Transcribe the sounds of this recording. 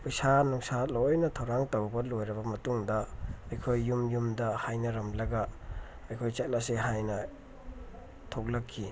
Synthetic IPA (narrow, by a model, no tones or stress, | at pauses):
pɐjsanuŋsalojnɐtʰɐwɾaŋtɐwbɐlojɾɐbɐmɐtuŋdɐɐjkʰojːumjumdɐhajnɐɾɐmlɐɡɐ | ɐjkʰojt͡ʃat̚lɐseɦajnɐ | tʰok̚lɐkʰːi